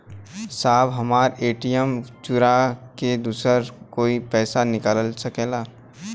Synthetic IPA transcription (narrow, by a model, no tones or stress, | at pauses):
saːbɦɐmaːɾeːʈijəmt͡ʃʊɾaked̪uːsɾəɾkoːipɛːsanɪkaːllsɐkeːlaː